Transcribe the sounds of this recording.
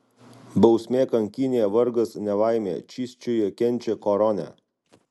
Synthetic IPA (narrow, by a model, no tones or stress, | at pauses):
bɐʊsʲmʲeːkɐŋʲkʲɪnʲejɛʋɐɾɡɐsnʲɛʋɑˑɪmʲḛːt͡ʃʲiːsʲt͡ʃʲojɛkʲɛnʲˑt͡ʃʲɛkɔɾɔnʲɛ̰